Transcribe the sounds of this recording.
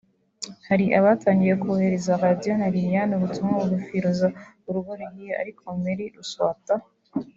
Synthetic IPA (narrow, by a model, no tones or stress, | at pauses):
haɾiʔaβaːtʰaːŋɡije̞kuβohe̞ɾe̞zaɾadijonaɾijanuɾutumŋauɾufiɾuza | uɾuɡoɾeijoa̰ɾikʰomeɾiɾuswa̰ːta